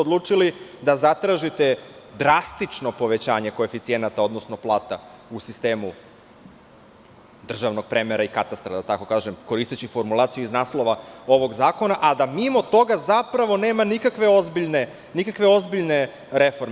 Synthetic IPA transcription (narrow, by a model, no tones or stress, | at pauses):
od̪lˠuːt͡ʂilid̪azat̪ɾaːʒit̪ed̪ɾast̪it͡ʂno̞po̞ʋe̞t͡ɕaːɲe̞ko̞efit̪sienat̪ao̞d̪no̞sno̞plˠaːt̪a | usist̪e̞ːmu | d̪r̩ʒaʋno̞ɡ̥̚pɾemeɾaikat̪ast̪ɾad̪at̪ako̞kaːʒemko̞ɾist̪et͡ɕifoɾmulˠaːt̪sijuiznaːslˠo̞ʋao̞ʋo̞ɡzaːko̞naʔad̪amimo̞t̪o̞ɡazapɾaʋo̞ne̞ːmanikakʋe̞o̞zbiʎne | nikakʋe̞o̞zbiʎne̞ | ɾefo̞ɾme